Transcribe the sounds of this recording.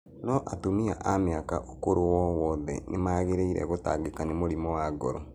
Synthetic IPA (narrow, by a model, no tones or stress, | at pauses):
nɔʔatomiaʔameaka̰ʔokoɾowɔwɔðɛ̰nemaːɣeɾeiɾɛ̰ɣota̰ɡekanemoɾimɔwaɡɔɾo̰